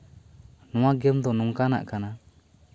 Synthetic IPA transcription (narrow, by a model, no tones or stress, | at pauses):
nɔ̃waɡɛmd̪ɔnɔŋkana̰ʔkana